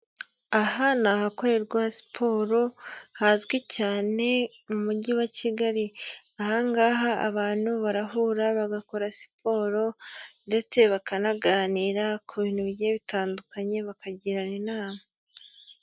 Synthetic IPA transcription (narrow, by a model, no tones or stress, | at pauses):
aɦanaɦako̞ɾe̞ɾɡwasi̥pʰo̞ːɾo̞hazɡwicaːne̞ | mumuɟiwacʰiɡaɾi | ahaŋɡaːɦa̰ːβaːn̥huβaɾaɦuɾaβaɡako̞ɾasi̥pʰo̞ːɾo̞nde̞t͡se̞βakanaɡaːniːɾakʰuβinuβiɟeβitaːndukaɲe̞βakaɟiɾanenaːma